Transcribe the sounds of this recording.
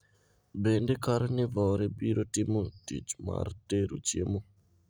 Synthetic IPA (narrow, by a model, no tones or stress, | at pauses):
bendekaɾnɪvɔɾebiɾotɪmotḭt͡ʃma̰rteɾṵt͡ʃjḛmo